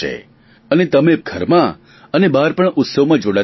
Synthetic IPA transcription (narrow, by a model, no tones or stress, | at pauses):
ḛ | ənet̪əmep̚ɡʱəɾmã | ənebaɾpəɳʊt̪səʋmãd͡ʒoɽa